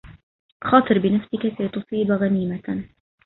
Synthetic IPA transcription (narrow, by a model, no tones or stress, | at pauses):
xɑːt̪ˤɨɾbɪnafsɪkasajt̪ʊsˤiːbɣaniːma